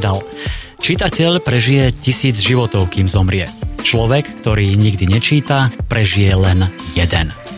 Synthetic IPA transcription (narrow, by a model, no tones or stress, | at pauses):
d̪al | t͡ʃit̪acɛʎpɾɛʒijɛcisiːd͡zʒiʋɔt̪ɔʊkiːmzɔmɾɪɛt͡ʃlɔʋɛkːt̪ɔɾiːɲiɡd̪iɲɛt͡ʃiːt̪apɾɛʒijɛlɛnjɛd̪ɛn